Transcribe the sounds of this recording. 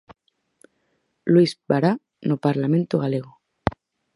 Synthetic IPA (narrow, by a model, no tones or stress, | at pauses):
lwizbaɾa | nopaɾlamẽnt̪oɣaleɣo